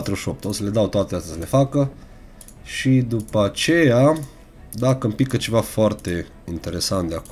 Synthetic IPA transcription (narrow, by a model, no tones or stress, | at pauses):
t̪ɾuʃo̞p̚t̪osəle̞d̪awt̪oat̪east̪asəle̞fakə | ʃid̪upəat͡ʃe̞ja | d̪akəmpikət͡ʃe̞vafoart̪e̞ | int̪e̞ɾe̞sant̪̚d̪eak